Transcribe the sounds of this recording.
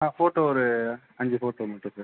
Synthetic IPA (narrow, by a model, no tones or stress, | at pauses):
ãfoːʈoɔɾɯ | ɐɲd͡ʒɯfoːʈoːmɐʈːũsɐɾ